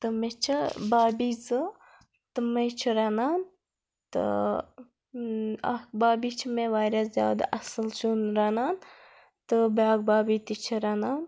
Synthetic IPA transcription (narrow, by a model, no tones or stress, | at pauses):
t̪ɨmet͡ʃʰɐbaːbiːzɨ | t̪ɨmɐt͡ʃʰɐɾɐnaːn | t̪ɨ̰ | ɐ̰kbaːbit͡ʃʰimeʋaːjɾɐszja̰ːd̪a̰ʔɐsɨlt͡ʃunɾɐnaːn | t̪ɨbjaːɡ̚baːbit̪it͡ʃʰɐɾɐnaːn